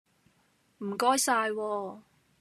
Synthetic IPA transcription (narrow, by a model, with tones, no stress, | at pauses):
m̩˨˩kɔː˥jsaː˧jwɔː˧